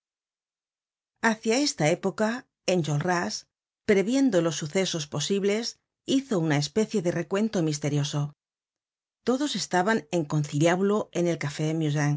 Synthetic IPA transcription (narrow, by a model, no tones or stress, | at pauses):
aθjae̞st̪ae̞po̞ka | enʲʒolras | pɾe̞βje̞nd̪o̞lo̞sːuθe̞so̞spo̞siβle̞s | iθo̞unae̞spe̞θje̞ðe̞re̞kwe̞nt̪o̞mist̪e̞ɾjo̞so̞ | t̪o̞ðo̞se̞st̪aβane̞ŋko̞nθiljaβloene̞lkafe̞mjuz̬aŋ